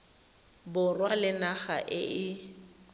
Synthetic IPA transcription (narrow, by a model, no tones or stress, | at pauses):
bʊrwalɪnaɣaʔɪ̰ʔɪ